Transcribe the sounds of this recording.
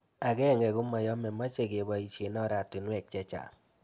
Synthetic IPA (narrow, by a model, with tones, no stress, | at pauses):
a˨ɡɛ˦˨ŋɛ˨ɡu˦ma˨jɔ˦mɛ˨ma˦t͡ʃe˨ɡe˨ba˨i˨t͡ʃe˨nɔ˦ɾa˨ti˨nwɛ˨k̚t͡ʃɛ˦t͡ʃa̰˨